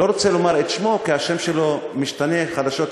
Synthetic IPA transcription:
o̞ʁot͡selo̞maʁet̪ʃmo̞kiaʃe̞mʃelo̞miʃt̪ane̞χad̪aʃo̞t̪

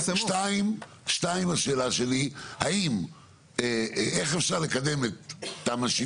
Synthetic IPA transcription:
ʃtaim | ʃtaimaʃe̞ːlaʃe̞liha̰im | eeχefʃaʁlekad̪e̞met̪ːamaʃi

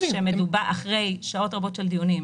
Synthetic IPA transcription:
emedubaaχʁe̞jʃʃao̞tʁabo̞tʃeld̪ijunim

